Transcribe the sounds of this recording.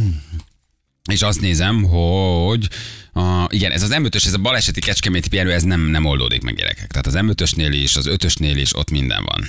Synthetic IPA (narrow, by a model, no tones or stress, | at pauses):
eːʃɒst̪neːzɛmɦo̞ɟɒʔiɡɛnʔɛzɒzɛmøt̪øʃɛzɒbɒlɛʃɛt̪ikɛt͡ʃkɛmeːt̪ipiɛɾøːɛznɛmnɛmo̞ld̪o̰ːd̪ḭkmɛ̰ɡɟɛ̰ɾɛ̰kɛ̥kt̪ɛɦaːt̪ɒzɛmøt̪ø̞ʃneːleːʃɒzø̞t̪ø̞ʃneːlḛːʃo̞̰t̪mind̪ɛ̰ɱvɒ̰n